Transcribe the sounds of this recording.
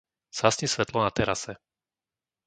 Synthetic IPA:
sasɲisʋɛt̪lɔnat̪ɛɾasɛ

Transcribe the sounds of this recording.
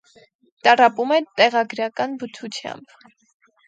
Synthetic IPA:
t̪ɑrɑpumɛt̪ɛʁɑɡɾɑkɑnbət͡sʰut͡sʰjɑ̰mb

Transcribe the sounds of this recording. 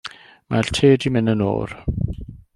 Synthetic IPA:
maɬtʰeːdimɪnəno̰ːr

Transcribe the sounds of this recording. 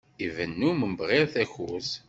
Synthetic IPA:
ivənːuməmbʁɪɾθæçṵs

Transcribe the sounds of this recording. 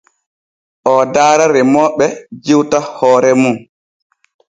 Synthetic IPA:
ʔɔdaːɾaɾɛmɔːɓɛd͡ʒiwtahɔːɾɛmun

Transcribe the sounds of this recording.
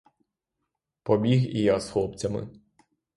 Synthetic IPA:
pɔbʲiɣḭjasxlˠɔpt͡sʲɐmɪ̰

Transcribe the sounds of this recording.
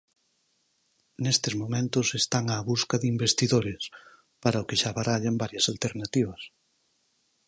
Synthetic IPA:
nest̪ezmomẽnt̪ʊsest̪aŋaːβuskɐðimbest̪iðoɾes | paɾɐokɪʃaβaɾaʎambaɾjɐsalt̪eɾnat̪iβɐs

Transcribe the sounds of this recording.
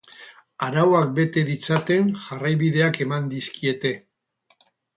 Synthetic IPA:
aɾawak̚be̞t̪e̞ðit͡sat̪e̞nʝarajβiðe̞ake̞mand̪iskie̞t̪e̞

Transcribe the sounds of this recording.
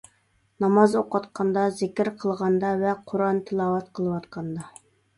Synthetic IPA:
nɑmɑzoqɑt̪qʰɑnd̪ɑzɪkʲɪɾqʰəlˠʁɑnd̪ɑvɛqʰoɾɑnt̪ʰɨlˠɑwɑt̪̚qʰəlˠəwɑt̪qʰɑnd̪ɑ

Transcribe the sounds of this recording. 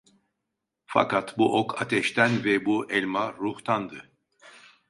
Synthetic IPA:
fa̰kat̪buʔokʰat̪ʰɛʃt̪ʰænvɛbuʔɛlʲmaɾuht̪ʰand̪ɯ

